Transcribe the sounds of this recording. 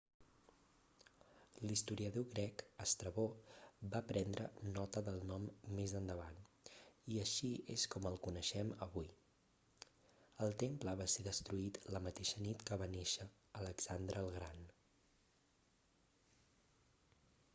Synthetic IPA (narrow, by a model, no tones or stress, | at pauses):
list̪uɾiəðoɣɾɛkəst̪ɾəβobapɾɛnd̪ɾʔənɔt̪əðəlˠnɔmːezənd̪əβan | iəʃiḛskɔməlˠkunəʃɛməβuj | əlˠt̪empləβ̞aseðəst̪ɾuit̪ləmət̪eʃənit̪kəβaneʃəː | ləɡsand̪ɾəːlˠɣɾan